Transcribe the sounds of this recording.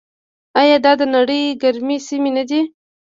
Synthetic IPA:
ajɑd̪ɑd̪ənaɽəjɡaɾmisimenad̪i

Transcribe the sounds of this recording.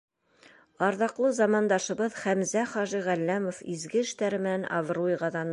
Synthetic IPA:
ɑɾðɑqlˠɤzɑmɑnd̪ɑʃɤ̆βɤðχæmzæχɑʒiʁælːæmofizɡɘɘ̆ʃt̪æɾɘ̆mɘ̆nænʔɑ̰vrujʁɑðɑn

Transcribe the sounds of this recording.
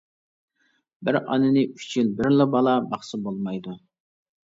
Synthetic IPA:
bɪɾɑ̰nɨnɪy̥t͡ʃʰynbɪɾlɪbɑlˠɑbɑχsɨbolˠmɑjd̪u

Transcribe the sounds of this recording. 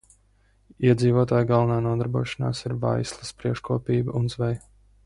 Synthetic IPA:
iɛd̪ziːvɔt̪aːjɡalˠvɐnaːnuɔd̪aɾbuɔʃana̰ːsiɾva̰jslˠɐspɾiɛkʃkuɔpiːbɐʔunzvɛj

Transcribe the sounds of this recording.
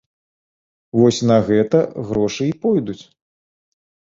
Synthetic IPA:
vɔsʲnɐɣɛt̪ɐɣɾɔʂɨipɔjd̪ut͡sʲ

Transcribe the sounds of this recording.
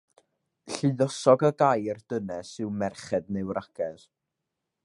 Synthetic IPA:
ɬɨðɔsɔɡəɡajrd̥ənɛsɨwmɛrχɛdnewraɡ̥ɛð

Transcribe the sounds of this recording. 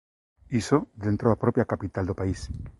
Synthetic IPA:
isoðent̪ɾoðapɾopjakapit̪ald̪opais

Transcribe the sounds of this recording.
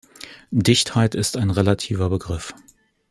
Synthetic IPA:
dɪçthaɪtɪstaɪnʁelatʰiːvɐbəɡʁɪf

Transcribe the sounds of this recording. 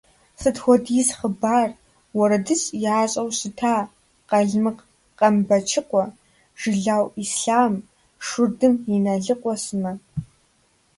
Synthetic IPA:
sɨtxʷɔdjsχəbaːr | wɔɾɐdɨɕʼjaːɕʼɐwɕɪtʰaː | qɐɮmɨq | qʼɐmbɐt͡ʃʰɪqʷɔ | ʒ̥ɪɮaːwisɬaːm | ʂʊrdɨminɐɮɨqʷʼɔsɨmɐ

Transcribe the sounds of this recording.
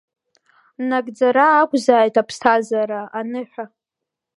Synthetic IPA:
naɡʼd͡zaɾaːkʷʼzaːjtʰapʰstʰazaɾaanɨħʷᶣa

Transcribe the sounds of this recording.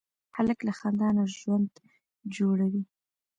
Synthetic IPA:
haləklaxand̪ɑnaʒwand̪ | d͡ʒoɽawi

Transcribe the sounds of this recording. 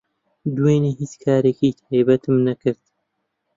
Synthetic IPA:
d̪ueːniːɦit͡skʰaːɾeːkiːt̪ʰaːjbɐt̪ʰɨmnɐkɨɾt̪̚

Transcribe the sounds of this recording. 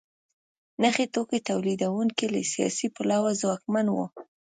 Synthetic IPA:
naxet̪oket̪awlid̪awuŋkila̰sijɑ̰sipalawazwɑkmanwo̰

